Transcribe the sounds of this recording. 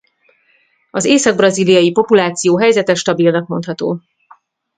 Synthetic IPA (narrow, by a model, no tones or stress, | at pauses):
ɒzeːsɒɡ̚brɒziːlijɒjipo̞pulaːt̪sijoːɦɛjzɛt̪ɛʃt̪ɒbilnɒkmo̞nt̪hɒt̪o̰ː